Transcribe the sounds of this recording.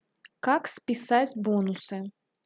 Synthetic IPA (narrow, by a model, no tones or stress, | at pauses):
kaksʲpʲisad͡zʲbɔnusɨ